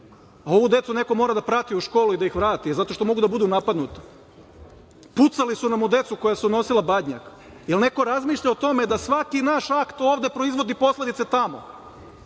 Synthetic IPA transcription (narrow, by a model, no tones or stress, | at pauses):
ao̞ʋud̪e̞t̪sune̞ko̞mo̞ɾad̪apɾat̪iuʃko̞ːluid̪aixʋɾaːt̪izat̪o̞ʃt̪o̞mo̞ɡud̪abud̪unapad̪nut̪ḁ | put̪salisunamud̪e̞t̪suko̞jasuno̞silˠabad̪ɲa̰k | jelne̞ko̞ɾazmiːʃʎaot̪o̞me̞d̪asʋakinaːʃakt̪o̞ːʋd̪e̞pɾo̞izʋo̞d̪ipo̞sle̞d̪it̪set̪amo̞̰